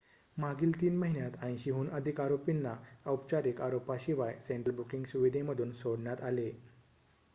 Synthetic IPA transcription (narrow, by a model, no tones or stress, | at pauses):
maɡiːlt̪iːnməɦinjat̪aj̃ɕiɦuːnʔəd̪ʱikaɾopinːaəwpt͡ɕaɾikaɾopaɕiʋajseɳʈəɾbukiŋɡsuʋid̪ʱeməd̪ʱuːnsoɽɳjat̪ale